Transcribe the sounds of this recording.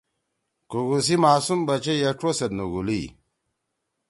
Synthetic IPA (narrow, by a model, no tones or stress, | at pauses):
kuɡus̬imaːsumbɐt͡ʃejeʈ͡ʂosɐt̪nuɡuli